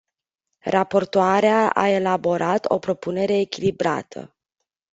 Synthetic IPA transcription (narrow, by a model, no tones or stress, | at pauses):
rapo̞rt̪oaɾeaʔa̰e̞labo̞ɾʔat̪o̞̰pɾo̞pune̞ɾe̞ːkʲilibɾa̰t̪ʰə̰